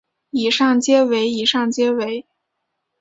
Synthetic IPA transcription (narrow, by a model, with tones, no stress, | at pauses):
i˨˩ʂɑ˥˩ŋt͡ɕjɛ˥we˧˥ɪi˨˩ʂɑ˥˩ŋt͡ɕjɛ˥we˧˥ɪ